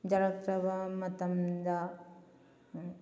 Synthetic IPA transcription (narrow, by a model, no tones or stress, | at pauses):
d͡ʒɐɾɐk̪̚ɾɐʋɐmɐt̪ɐmd̪a